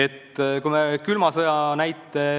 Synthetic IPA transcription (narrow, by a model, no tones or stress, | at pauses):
et̪ːkujmekylmɑsɤjɑnæjt̪ːˑe